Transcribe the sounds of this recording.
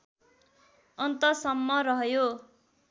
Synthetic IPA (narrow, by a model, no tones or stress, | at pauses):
ʌnt̪ʌsʌmːʌɾʌɦjo